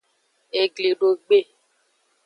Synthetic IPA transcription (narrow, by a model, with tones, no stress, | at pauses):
e˨ɡli˨ɖo˨ɡ͡be˦˨